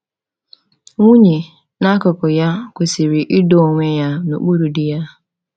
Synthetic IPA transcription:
ŋʷu˦ɲi˨ | na˦kʊ˨kʊ˨ja˦kʷe˨si˨ɾi˨ʔi˦do˨ŋʷe˦ja˦no̰˨k͡pu˦ɾu˨di˦ja˦

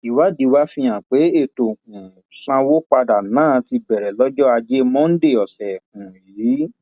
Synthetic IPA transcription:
i˨˦wa˦di˨˧wa˦fĩ˧j̃ã˨k͡pe˨˦e˦˨to˨ũ˨ | sã˧wo˦k͡pa˧da˨nãː˦˨˦ti˧bɛ˨ɾɛ˨lɔ˦d͡ʒɔ˦a˧d͡ʒe˦mɔ̃˦n̩˦de˦˨ɔ˨sɛ˨ũ˨jiː˨˦

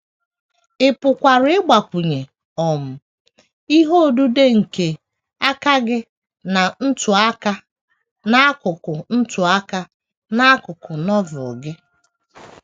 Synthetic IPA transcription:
ɪ˨pʊ˨kʷa˨ɾʊ˦ɪ˦ɡ͡ba˨kʷu˨ɲe˨ | ɔ˨m̩˨ | i˦ɦo˦˨du˦de˦ŋ̩˨ke˨ | a˦ka˦ɡɪ˦ | na˨n̩˦tʊ˨a˦ka˦ | na˦a˦kʊ˨kʊ˨n̩˦tʊ˨a˦ka˦ | na˦kʊ˨kʊ˨nɔ˦vʊ˨ɡɪ˦

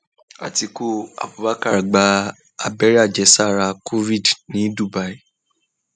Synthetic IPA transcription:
a̰˨ti˨˧ko˦a̰˨bu˨ba˦ka˦ɾa˨ɡ͡ba˧ | a˨bɛ˨˦ɾi˦a˦˨d͡ʒɛ˨˧˦sa˦˨ɾa˧kʰo˦vi˦˨dnĩ˨˦du˦˨ba˨˦i˦

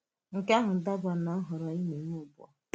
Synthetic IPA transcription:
ŋ̩˨ka˦ɦʊ˨n̩˨da˦ba˨na˨˦ɦʊ˨ɾɔ˨i˦ne˨ŋo˦˨bʊ˦ɔ̰˨

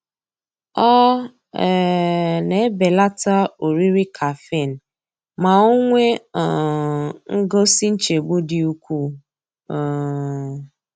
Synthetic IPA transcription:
ɔ˦˨ | ne˨˦be˨la˦ta˦o˨ɾi˦ɾi˦kʰa˨fe˦˨n̩˨ | ma˨o˦ŋʷe˦˨ | ŋ̩˦ɡo˦si˦n̩˦t͡ʃe˨ɡ͡bo˦di˨u˦kʷu˦˨

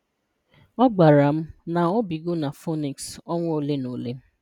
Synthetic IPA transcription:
ɔ˦ɡ͡ba˨ɾa˨m̩˦na˨ɔ˦bi˨ɡo˦na˨fo˦ni˨ksɔ˦ŋʷ˦o˨le˦no˨le˦m̩˦

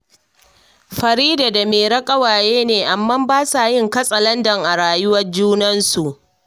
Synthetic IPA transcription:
ɸɐ˨ɾiː˦daː˨da˨meː˨ɾɐ˦kʼɐ˦waː˨jeː˦neː˨ʔa˨mːɐ˦mbaː˦sa˨jɪ˦ŋkɐ˦sʼɐ˨lɐ˦ndɐ˨ŋʔa˨ɽaː˨jʊ˦wɐ˦rd͡ʒuː˦nɐ˦nsu˨ʔ

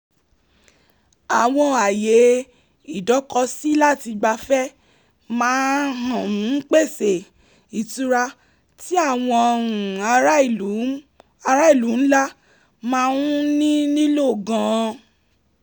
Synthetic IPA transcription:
a˨w̃ɔ̃˧a˨je˨˦ | i˦˨dɔ˨˦kɔ˧si˦la˦˨ti˧ɡ͡ba˧fɛ˦ | mãː˨˦ɦã˨ũ˨˦k͡pe˦˨se˨ | i˨tu˨˦ɾa˧ | ti˦a˦˨w̃ɔ̃˧ɾũ˨˧˦ | a˧ɾa˦i˦˨lu˨˦n̩˦la˦ | mãː˧ũ˦nĩ˦nĩ˦lo˦˨ɡã˨˦˧

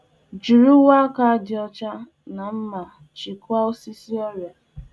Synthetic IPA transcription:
d͡ʒi˨ɾu˦wa˦ka˦dɪ˨ɔ˦t͡ʃa˦ | na˨m̩˦ma˨ | t͡ʃi˨kʷa˦o˦si˦si˦ɔ˦ɾja˨

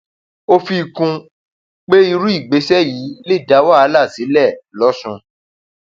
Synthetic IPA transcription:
o˦fi˧kũ˧ | k͡pe˦i˧ɾũ˦i˦˨ɡ͡be˨˦sɛ˦ji˨˦le˦˨da˨˦wa˦˨a˦la˦˨si˨˦lɛ˦˨lɔ˨˦sũ˧

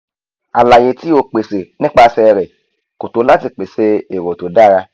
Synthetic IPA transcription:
a˨la˨je˧˦ti˦o˧k͡pe˨se˨nĩ˦k͡pa˧sɛ˧ɾɛ˨ | ko˨to˨˦la˦ti˧k͡pe˨se˧e˨ɾo˨to˨˦da˦˨ɾa˧

